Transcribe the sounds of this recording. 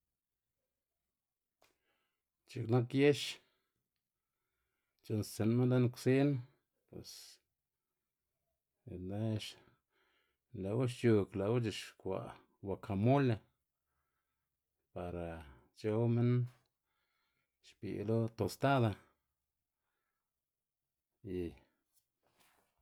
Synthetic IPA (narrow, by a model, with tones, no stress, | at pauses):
t͡ʃi˧kna˦kje˦ʃ | t͡ʃe˧nsse˨nme˦nd̪a˦nkʷsi˦n | pwḛ˨s | ne˦ʃ | la˨wu˦ʃ̬t͡ʃu˧kla˨wu˦t͡ʃi˧ʃkʷa̰˨ | wa˨kʰa˨mu˦le˧ | pa˨ɾa˨ | t͡ʃo˧˦wme˦n | ʃpḭ˨lo˦t̪o˨st̪a˦d̪a˧ | i˧